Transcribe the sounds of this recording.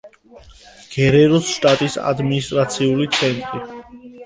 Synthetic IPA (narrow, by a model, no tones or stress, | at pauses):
ɡ̥ɛɾɛɾɔsʃt̪ʼat̪ʼisa̰d̪minist̪ʼɾat̪sʰiulit̪sʰɛnt̪ʼɾi